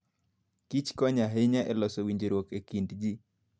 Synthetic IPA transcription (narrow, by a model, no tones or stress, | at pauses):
kit͡ʃkɔɲaɦeɲaʔɛlɔsɔwiɲd͡ʒeɾwokekindd͡ʒi